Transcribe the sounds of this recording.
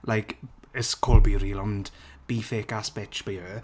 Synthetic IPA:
lʔajkəskʰolˠbiːɾiːlɔnd̥b̥iːfeːkaspɛt͡ʃb̥iə

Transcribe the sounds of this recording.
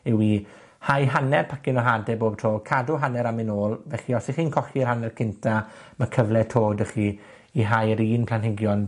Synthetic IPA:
ɪwi | hajɦanɛrpʰakɪnɔɦadɛboːb̥̚tʰoːkʰadʊɦanɛɾamɪnoːlˠvɛχiɔsiχiːnkʰɔχiərhanɛrkʰɪntʰamakʰəvlɛtʰoːdəχi | iɦajəɾiːnpʰl̥ˠanɦɪɡjɔn

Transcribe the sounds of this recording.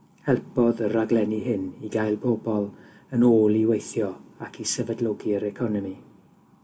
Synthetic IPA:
hɛlˠpʰɔðəɾaɡlɛniɦɪniɡajlˠbɔbɔlˠ | ənoːlˠiwejθjɔakʰisəvədlˠɔɡiəɾɛkʰɔnəmi

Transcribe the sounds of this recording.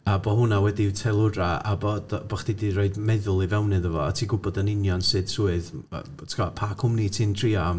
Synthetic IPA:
abɔɦʊnawɛditʰɛlˠʊraabɔːdbɔχd̥idiɾoɨdmɛðʊlˠivɛwnɨðəvɔatʰiːɡʊbɔdənɪnjɔnsɨd̥suːɨð̰ | tʰkʰɔpʰakʰʊmnitʰiːntʰriːam

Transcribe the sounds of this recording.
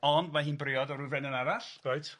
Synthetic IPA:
ɔndmaɦiːnbrɪɔdɔɾuvɛnənaɾaɬrajtʰ

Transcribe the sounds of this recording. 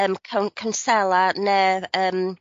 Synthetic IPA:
əːmkʰəwnkʰənsɛlˠanɛəːm

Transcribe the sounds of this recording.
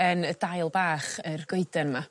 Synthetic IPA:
ənəd̥ajlˠbaːχərɡ̥oɨdənma

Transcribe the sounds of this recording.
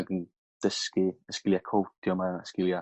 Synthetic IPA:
ɡən | d̥əskiəskɪljakʰowtʰjɔmaəskɪlˠja

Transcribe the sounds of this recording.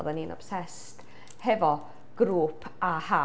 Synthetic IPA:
ðaninɔ̰psɛs | t | hɛvɔ | ɡ̥ɾuːpʰaha

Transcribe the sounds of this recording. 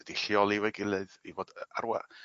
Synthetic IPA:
əd̥iɬiɔlˠivɛɡɪlˠɨðivoːd̥əa̰rwa̰

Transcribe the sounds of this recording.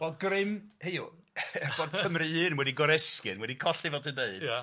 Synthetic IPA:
b̥oːd̚ɡrɪmhejṵ | b̥oːd̥̚kʰəmrɨɨnəwɛdiɡɔɾɛskɨnmwɛdikʰɔɬivɔtʰɨndeɨd

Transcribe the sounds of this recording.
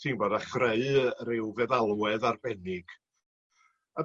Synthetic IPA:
tʰiːnboːdaχreɨɾɪwvɛðalˠwɛðarbɛnɪɡ̥

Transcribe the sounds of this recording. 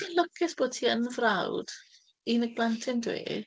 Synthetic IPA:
əlɔkʰɛθb̥oːd̥̚tʰiːənvrawd̥ | inəɡ̚b̥lˠantʰɪndwḛː

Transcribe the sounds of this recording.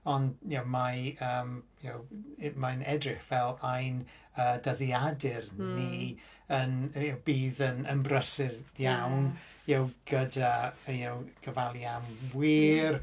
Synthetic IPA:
ɔndjawmajəːmjawmajnɛdrɪχvɛlˠajn | əːdəðjadɪrni | ənjawbiːðənəmbrəsɪðjawn | jawɡ̥ədaəjawɡ̥əvalˠjamwiːr

